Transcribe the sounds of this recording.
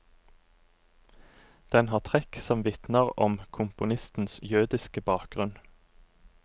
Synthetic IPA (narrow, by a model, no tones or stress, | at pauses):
d̪̥ɛnhɑːt̪ʰʁɛksɔmʋɪt̪nəʁɔmkʰʊmpʊnɪst̪n̩sjʉːd̪ɪskəbɑːk̚ɡ̥ʁʉn